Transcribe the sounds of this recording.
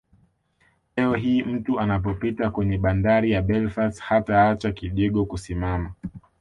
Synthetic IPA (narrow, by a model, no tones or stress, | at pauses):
lɛɔɦiːm̩tuanap̬ɔpitakwɛɲɛɓandaɾijaɓɛlfashataat͡ʃakiʄɛɠɔkusimama